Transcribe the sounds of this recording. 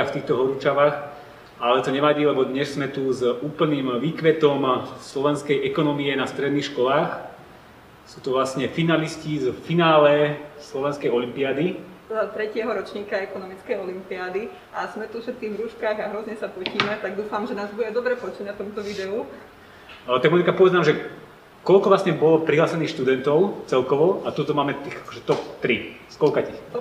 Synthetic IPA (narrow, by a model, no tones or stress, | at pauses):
aft̪iːxt̪ɔɦɔɾut͡ʃaʋaːx | alɛt̪ɔɲɛʋaɟiːlɛbɔd̪ɲɛʃz̥mɛt̪uzuːpl̩niːmʋiːkʋɛt̪ɔmslɔʋɛnskɛjɛkɔnɔmiɛnast̪ɾɛd̪niːxʃkɔlaːx | suːt̪ɔʋlasɲɛfinaliscizfinaːlɛslɔʋɛnskɛjɔlimpiad̪it̪ɔd̪at̪ɾɛcɪɛɦɔɾɔt͡ʃɲiːkaɛkɔnɔmit͡skɛjɔlimpiad̪i | ʔaz̥mɛt̪ufʃɛt̪̚kiːɣʋɾuʃkaːɣaɦɾɔzɲɛsapɔciːmɛt̪aɡd̪uːfamʒɛnaːzbuɟɛd̪ɔbɾɛpɔt͡ʃɛɲnat̪ɔmut̪ɔʋid̪ɛu | t̪aɡmɔnikapɔʋɛd͡zznaːmʒɛ | kɔlkɔʋlasɲɛbɔlɔpɾiɦlaːsɛniːxʃt̪ud̪ɛnt̪ɔʊt͡sɛlkɔʋɔat̪ut̪ɔmaːmɛt̪ixakɔ̥ʒɛt̪ɔpt̪ɾiskɔlkaci